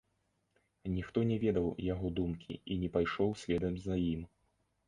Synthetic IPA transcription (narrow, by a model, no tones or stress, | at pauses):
nʲixt̪ɔnʲɛvʲɛd̪ɐwjaɣɔd̪umkʲḭinʲɛpajʂɔwsʲvʲɛd̪ɐmzɐjim